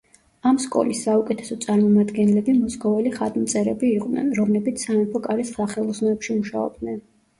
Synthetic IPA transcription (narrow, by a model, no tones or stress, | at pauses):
amskʼɔ̰lisːaukʼɛt̪ʰɛ̥sɔt̪sʼaɾmɔmad̪ɡɛnlɛbimɔskʼɔvɛliχat̪ʼmt̪sʼɛɾɛbiːq̪ʼnɛ̰nɾɔmlɛbit̪sʰsamɛpʰɔkʼaɾisχaχɛlˠɔsnɔɛpʃimuʃa̰ɔ̰b̚d̪nɛn